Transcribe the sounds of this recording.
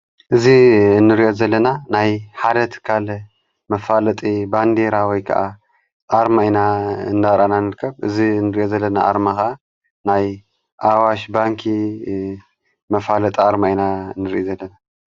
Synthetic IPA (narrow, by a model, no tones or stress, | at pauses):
ʔɨziɨnːɨɾiʔo̞zɐlːɐnanajħad̪ɐt̪ʰɨ̥kʰːal | mɐfalɐt̪ʼiband̪eɾawɔjkʰɐ̰ʔa | ʔaɾmajnaɨ̰nd̪aɾananɨɾɨkʰːɐβʔɨzinːɨɾiʔo̞zɐlːɐnaʔa̰ɾmaxɐʔa | naj | ʔawaʃbaŋkʰi | mɐfalɐt̪ʼaɾmajnaɨnːɨɾʔizɐlːɐna